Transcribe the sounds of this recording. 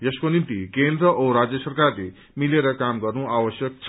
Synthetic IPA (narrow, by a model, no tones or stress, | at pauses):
jʌskonint̪ikend̪ɾʌʔoɾad͡zjʌsʌrkarle | mileɾʌkamɡʌrnũawʌsjʌk̚t͡sʰ